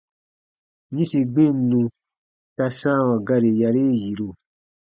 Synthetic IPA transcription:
ɲĩ˦si˧ɡ͡bẽ˦˨˦nũ˧ | ta˧sã˦˨wã˨ɡa˧ɾe˨ja˧ɾe˦ji˨ɾo˧˨

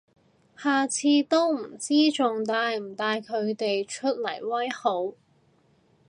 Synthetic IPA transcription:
haː˨t͡sʰiː˧t̪o˥wm̩˨˩t͡siː˥t͡sʊ˨ŋt̪aː˧jm̩˨˩t̪aː˧jkʰɵ˨˧ɥt̪e˨jt͡ʃʰɵ˥t̚lɐ˨˩jwɐ˥jho˨˥w

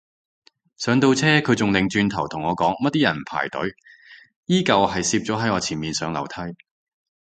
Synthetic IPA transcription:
sœː˨˥ŋt̪o˧wt͡sʰɛː˥kʰɵ˨˧ɥt͡sʊ˨ŋlɪ˨˧ŋt͡ʃyː˧nt̪ʰɐ˨˩wt̪ʰʊ˨˩ŋɔː˨˧kɔː˨˥ŋmɐ˥t̚t̪iː˥jɐ˨˩n˨pʰa̰ː˨˩jt̪ɵ̰˨˥ɥ | jiː˥kɐ˨wɦɐ˨jsiː˧p̚t͡sɔː˨˥ɦɐ˨˥jŋɔː˨˧t͡sʰiː˨˩nmiː˨nsœː˨˧ŋlɐ̰˨˩wt̪ʰɐ˥j

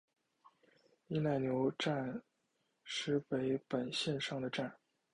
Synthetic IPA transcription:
i˥˧na˥˩ɪnjo˧˥ʊʈ͡ʂa˥˩n | ʂɻ̩˥pe˧˥ɪpə˨˩nɕjɛ˥˧nʂɑ˥˩ŋd̪ə˩ʈ͡ʂa˥˩n

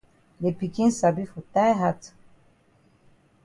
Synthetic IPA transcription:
de˨pi˨kĩ˦nsa˨bi˦fɔ˨tajɦat

